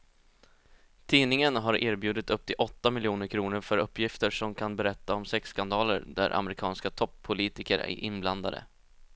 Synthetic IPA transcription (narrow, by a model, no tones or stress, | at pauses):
t̪ʰiːnɪŋənɦaɾʔeːɾbjʉ̟ːd̪ɪt̪ɵp̚t̪ʰɪlʔɔt̪ːamɪljuːnəɾkʰɾuːnəɾfœɾɵpːjɪft̪əʂɔmkʰanbɛɾɛt̪ːaɔmsɛksːkand̪ɑːlə̰ɾd̪æ̰ɾʔa̰mɾɪkʰɑːnskat̪ʰɔpʰːʊliːt̪ɪkəɾæ̰ɾʔɪ̰nbland̪ad̪ə̰